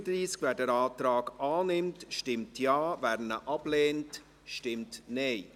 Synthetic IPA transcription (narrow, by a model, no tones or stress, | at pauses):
dɾiːskʋæːdɛɾɑːtɾaɑːɡɑːnɪmtʃtɪmtʰjɑːvæːɾnəʔɑb̥leːnt | ʃtɪmtneɪ